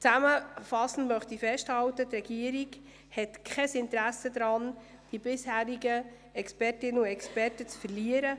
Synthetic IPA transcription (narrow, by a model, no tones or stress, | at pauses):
t͡sæməfɑsn̩mœχtifɛsthɑwtətrɛɡ̥iəɾiɡ | hɛtkʰχɛsɪntɾæsəd̪ɾɑːn | d̥ibɪshæːɾiɡə | ɛkspɛrtɪnəʊɛkspɛɾtət͡sfɛɾliəɾə